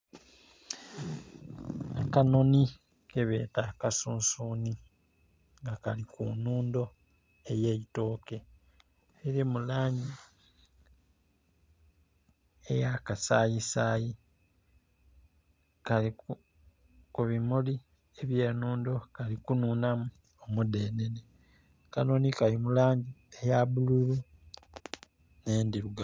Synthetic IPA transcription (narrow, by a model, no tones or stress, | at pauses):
akanoni | keβḛtakasuːnsuːni | ŋɡakalikunuːndo̞ | ejeito̞ːke̞ | eɾimulaːɲi | ejakasa̰ːjisaːji | kaliku | kuβimuli | eβje̞ːnuːndo̞kalikunuːnamu | omude̞ːnene | kanoːnikalimulaːɲɟiejaβululu | ne̞ːndiɾuɡa